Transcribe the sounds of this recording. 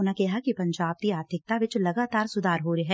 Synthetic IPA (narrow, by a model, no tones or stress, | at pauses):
nakɛɦakipɐ̃ɲd͡ʒaːb̚t̪iaːd̪ʱɪk̚t̪aʋɪt͡ʃlɐɡaːt̪aːɾsʊd̪ʱaːɾɦoːɾiɦɛː